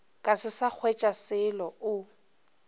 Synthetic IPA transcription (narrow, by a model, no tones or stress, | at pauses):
kʼasɪsak͡xʰwɛt͡ʃʼasɪlɔʊ